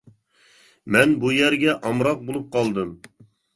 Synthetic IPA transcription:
mɛnbujɛɾɡʲɛʔɑmɾɑq̚bolˠup̚qʰɑlˠd̪ɨm

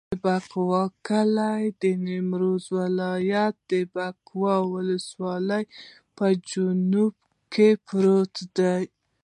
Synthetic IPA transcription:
baqwɑkəlajd̪ənɪmɾozwalɑjat̪̚d̪əbaqwɑwʊləswɑləj | pəd͡ʒʊnub̚ | kʰepɾot̪d̪aj

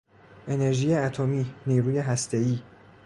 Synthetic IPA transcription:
ʔe̞ne̞ɾʒiːjeæt̪ʰomiːniːɾuːje̞ɦæst̪ʰe̞iː

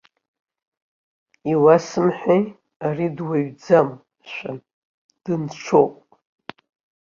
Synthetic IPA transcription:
iwasɨmħʷᶣej | aridwaɥd͡zam | ʃʷa | d̥ɨnt͡ʃʷʰowpʼ

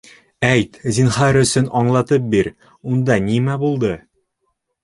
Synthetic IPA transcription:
æjt̪zinχɑɾɵ̆sɵnɒɴlˠɑt̪ɤp̚biɾ | und̪ɑnimæbulˠd̪ɤ

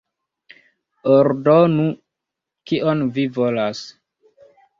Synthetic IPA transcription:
oɾdonu | kiʔonvivolas

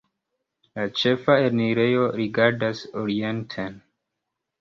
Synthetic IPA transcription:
lat͡ʃe̞faeɾniɾejo̞ɾiɡaɾdasoɾientʰen

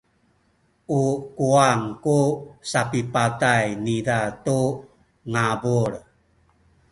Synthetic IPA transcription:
ukuaŋkusapipatajnidatu | ŋabuɾ

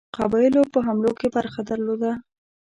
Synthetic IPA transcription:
qabɑjlopəɦamlokebaɾxad̪əɾlod̪a

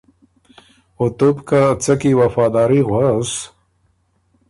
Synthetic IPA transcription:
ʊt̪ʊpkat͡sakiwafɑːd̪ɑːɾiɣwas

